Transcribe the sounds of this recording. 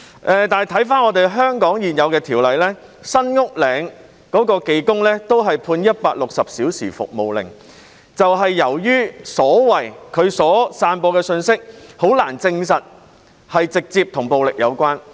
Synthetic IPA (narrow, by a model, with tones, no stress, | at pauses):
ʔɛː˨˧t̪aː˨˩jt̪ʰɐ˨˥jfaː˥nɔː˨˧t̪e˨jɦœː˥ŋkɔː˨˥ŋjiː˨njɐ˨˧wkɛː˧t̪ʰiː˨˩wlɐ˨jlɛː˥ | sɐ˥nŋʊ˥k̚lɛː˨˥ŋ | kɔː˨˥kɔː˧ke˨˧jkʊ˥ŋlɛː˥t̪o˥wɦɐ˨jpʰuː˧njɐ˥t̚paː˧k̚lʊ˨k̚sɐ˨p̚siː˨˥wsiː˨˩fʊ̰˨k̚mo˨wlɪ̰˨˩ŋ | t͡sɐ˨wɦɐ˨jːɐ˨˩wjyː˥sɔː˨˥wɐ˨˩jkʰɵ˨˧ɥsɔː˨˥saː˧npɔː˧kɛː˧sɵ˧nsɪ˥k̚ho˨˥wlaː˨˩nt͡sɪ˧ŋs̬ɐ˨t̚ | hɐ˨jt͡sɪ˨k̚t͡siː˧p̚t̪ʰʊ˨˩ŋpo˨wlɪ˨k̚jɐ˨˧wkwaː˥n